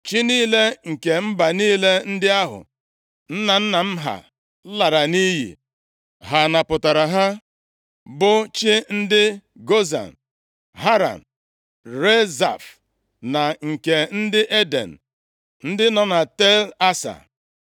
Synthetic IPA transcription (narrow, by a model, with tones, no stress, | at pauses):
t͡ʃi˦niː˦le˦ŋ̩˨ke˨m̩˦ba˨niː˦le˦n̩˦dɪ˦a˦ɦʊ̰˨ | n̩˦na˨n̩˦na˨m̩˦ɦa̰˨˦ | la˨ɾa˨ni˦ɦḭ˨ | ɦa˨na˨pʊ˨ta˨ɾa˨ɦa˦ | bʊ˦t͡ʃɪ˦n̩˦dɪ˦ | ɡo˦za̰˨n̩ | ɦa˦ɾa̰˨n̩˨ | ɾe˦za̰˨f | na˨ŋ̩˨ke˨n̩˦dɪ˦ʔe˦dḛ˨n̩˨ | n̩˦dɪ˦nɔ˦na˨te˦la˦sa̰˨